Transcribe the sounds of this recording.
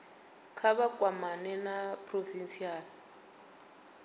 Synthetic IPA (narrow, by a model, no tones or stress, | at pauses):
kʰaβakʼwamanɛnapʰʼrovinsiaːli